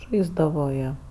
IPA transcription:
ˈʒɐɪzdɐʋoː ˈjiɛ

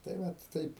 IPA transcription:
tɐɪ ˈʋɐt ˈtɐɪp

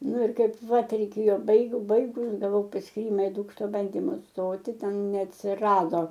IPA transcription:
ˈnʊ ˈɪr ˈkɐɪp ˈʋɐ tʲɛrʲɛɪˈkʲeːjoː ˈbɐɪɡʊ ˈbɐɪɡʊs ɡɐˈʋɐʊ pɐsʲkʲiːˈrʲɪmɐ ɪ ˈduːkʃtoː ˈbɐnʲdʲɪmʊ ˈstoːtʲɪ ˈtʲɛn nʲɛɐtʲsʲɪˈrɑːdoː

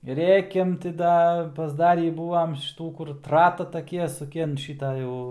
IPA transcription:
ˈrʲeːkʲɛm tʲɪ ˈdɐ pɐzˈdɑːrʲiː ˈbuːʋɐm ʃʲɪˈtuː kʊr ˈtrɑːtɐ tɐˈkʲiɛ sʊˈkʲɪ ɐn ˈʃʲɪtɐ ˈjɛʊ

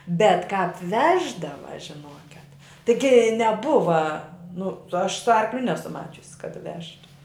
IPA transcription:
bʲɛt kɑːp ˈʋʲæːʒdɐʋɐ ʒʲɪˈnoːkʲɛt tʲɪˈɡʲɪ nʲɛˈbʊʋɐ ˈnʊ ɐʃ sʊ ˈɐrklʲʊ ˈnʲæːsʊ ˈmɑːt͡ʃʲʊs kɐt ˈʋʲæːʃtʊ

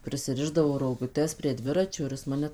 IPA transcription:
pʲrʲɪsʲɪˈrʲɪʒdɐʋoː roːɡʊˈtʲɛs pʲrʲiɛ ˈdʲʋʲɪrɐt͡ʃʲoː ɪr ˈjɪs ˈmɑːnʲɛ

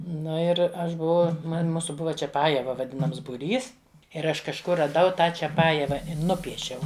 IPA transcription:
ˈnʊ ɪr ˈɐʃ bʊˈʋɐʊ ˈmɐnʲ ˈmuːsʊ ˈbʊʋɐ t͡ʃʲɛˈpɑːjɛʋɐ ʋɐˈdʲɪnɐms bʊˈrʲiːs ɪr ˈɐʃ kɐʃˈkʊr rɐˈdɐʊ ˈtɑː t͡ʃʲɛˈpɑːjɛʋɐ ɪ ˈnʊpʲiɛʃʲɛʊ

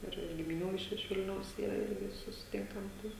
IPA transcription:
ˈɪr ɡʲɪmʲɪˈnʲuː ɪʃ ɪʃ ˈʋʲɪlʲnʲɛʊs ˈiːrɐ ˈɪrʲɡʲɪ sʊsʲɪˈtʲɪŋkɐm ˈtɐɪ

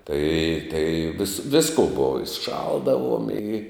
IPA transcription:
tɐɪ tɐɪ ʋʲɪs ˈʋʲɪskoː ˈboːʋɐ ɪ ˈʃɐlˠdɐʋuɔm ɪ

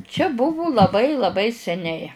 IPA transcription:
t͡ʃʲɛ ˈbʊʋʊ lˠɐˈbɐɪ lˠɐˈbɐɪ sʲɛˈnʲɛɪ

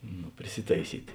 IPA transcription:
nʊ pʲrʲɪˈsʲɪtɐɪˈsʲiːtʲ

